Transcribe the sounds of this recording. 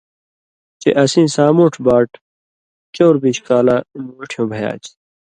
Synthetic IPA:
t͡ɕḛʔɐsĩːsaːmuːʈʰbaːʈ | koːɾbiɕkaːlaːnoʈʰjõːbʱɐja̰ːt͡ɕ

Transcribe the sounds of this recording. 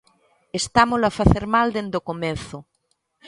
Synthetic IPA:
est̪amoloafaθeɾmald̪end̪okomẽnθo

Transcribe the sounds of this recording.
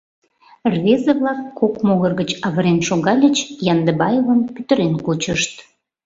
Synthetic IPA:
rβezəβlɑkːokmoɣərɣət͡ɕɑβəɾenʃoɣɑlʲət͡ɕjɑnd̪əbɑjevəmpyt̪ə̆ɾenkut͡ɕəʃt̪

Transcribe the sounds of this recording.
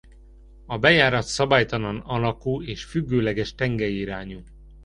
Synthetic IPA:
ɒbɛjaːɾɒt̪sɒbaːjt̪ɒlɒnɒlɒkuːeːʃfyɡːøːlɛɡɛʃt̪ɛŋɡɛjiɾaːɲu

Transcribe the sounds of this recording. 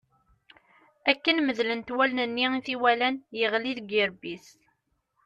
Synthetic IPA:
ækːənməðlənt̪wælnənːiiθiwælænjəʁliðɡiɾbis

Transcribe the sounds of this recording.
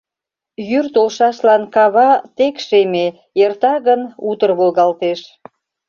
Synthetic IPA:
jyrt̪olʃɑʃlɑnkɑβɑt̪ekʃeme | ert̪ɑɣənut̪ərβolɣɑlt̪eʃ

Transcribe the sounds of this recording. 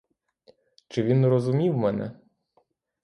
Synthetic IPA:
t͡ʃɪʋʲinrɔzʊmʲiwmɛnɛ̰

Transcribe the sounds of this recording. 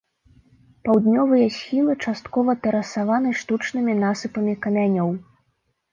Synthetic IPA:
pawd̪nʲɔvɨjɐsʲxʲilˠɨt͡ʂast̪kɔvɐt̪ɛɾɐsavanɨʂt̪ut͡ʂnɨmʲinasɨpɐmʲikɐmʲanʲɔw

